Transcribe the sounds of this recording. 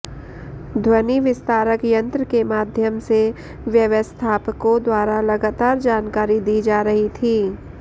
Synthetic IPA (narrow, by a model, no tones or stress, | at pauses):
d̪ʱwəniʋɪst̪aːɾəkjə̃nt̪ɾəkemaːd̪ʱjəmse | ʋjəʋəst̪ʰaːpəkod̪waːɾalɐɡaːt̪aːɾd͡ʒaːnkaːɾid̪iːd͡ʒaːɾɐɦit̪ʰiː